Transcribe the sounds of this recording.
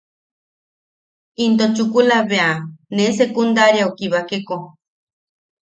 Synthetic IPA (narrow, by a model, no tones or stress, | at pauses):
int̪ot͡ʃukulaβeanẽsekund̪aɾjaokiβakeko